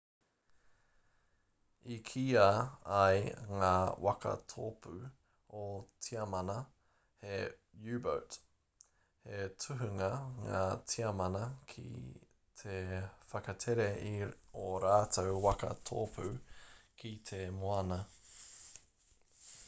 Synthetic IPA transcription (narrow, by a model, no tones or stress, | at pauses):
ikʰiːaɐjŋaːwʔɐ̰kɐ̰tʰo̰ːpʰʉ | otʰiɐmɐnɐ | he | jʉːbo̰wt | hetʰʉɦʉŋɐŋaːt͡sʰiɐmɐnɐkʰḭ | t̪ʰefɐkɐtʰeɾeioɾaːtʰowwɐkɐ̰tʰo̰ːpʰʉkʰit̪ʰemoɐnɐ